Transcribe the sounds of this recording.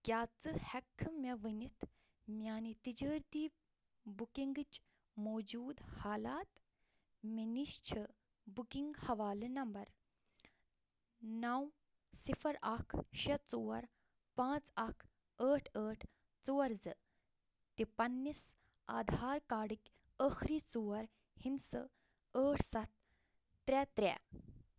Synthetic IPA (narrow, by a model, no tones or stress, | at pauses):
kʲjaːt͡sɨhɛkʰːmʲɐʋɨnit̪ʰ | mʲjaːnit̪id͡ʒəːɾt̪iː | bukiŋɡɨt͡ʃ | moːd͡ʒuːd̪haːlaːt̪ | mɐniʃt͡ʃʰɐ | bukiŋɡhɐʋaːlɨnɐmbɐɾ | naw | sifʰɐɾakʰɕɐt͡suːɐɾ | pãːt͡sakʰ | əːʈʰəːʈʰ | t͡suːɐɾd͡zɨ | t̪ipɐnːis | a̰ːd̪ʱaːɾkaːɽikʲ | əxɾit͡suwɐɾ | hinsə | əːʈʰsɐt̪̚ː | ɾɛt̪ɾɛ̰